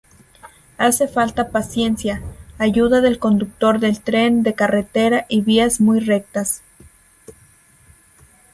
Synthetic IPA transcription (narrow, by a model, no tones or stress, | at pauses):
ase̞falt̪apasje̞nsjaːʝuðaðe̞lko̞nd̪uk̚t̪o̞ɾðe̞lt̪ɾe̞nd̪e̞kare̞t̪e̞ɾaʔiβiazmujre̞k̚t̪as